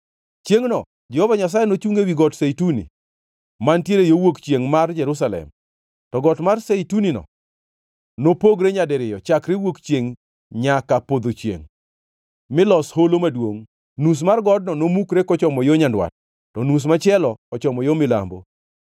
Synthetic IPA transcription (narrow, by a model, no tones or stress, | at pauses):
t͡ʃjeŋnɔ | d͡ʒɛhɔvaɲas̬ajɛnot͡ʃuŋewiɡɔtsejtunḭ | mantjeɾejowokt͡ʃjeŋmard͡ʒɛɾus̬alɛ̰m | tɔɡɔtmarsejtuninɔ̰ | nopoɡɾeɲadɛɾɪjɔt͡ʃakɾewokt͡ʃjeŋ | ɲakapod̪ot͡ʃjḛŋ | mɪlɔsholomadwoŋ | nus̬marɡɔd̚nɔnomukɾekɔt͡ʃɔmɔjoɲandwa̰t̚ː | ɔnus̬mat͡ʃɛlɔkɔt͡ʃɔmɔjomɪla̰mbo̰